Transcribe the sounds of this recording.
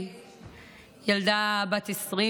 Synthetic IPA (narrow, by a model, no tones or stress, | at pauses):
jald̪abat̪esʁi